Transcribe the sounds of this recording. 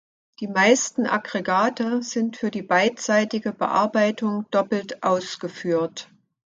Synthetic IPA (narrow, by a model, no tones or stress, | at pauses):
d̥iːmaɪstn̩ʔa̰ɡʁeɡaːtəz̥ɪntfyːɐdiːbaɪtz̥aɪtɪɡəbə̰ʔa̰ɐbaɪtʊŋd̥ɔpl̩tʔaʊsɡ̥əfyːɐt